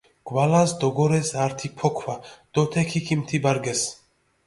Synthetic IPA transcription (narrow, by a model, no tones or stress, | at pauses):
ɡ̥walasd̪ɔɡɔɾɛsaɾt̪ʰipʰɔkʰvad̪̥ɔt̪ʰɛkʰikʰimt̪ʰibaɾɡɛs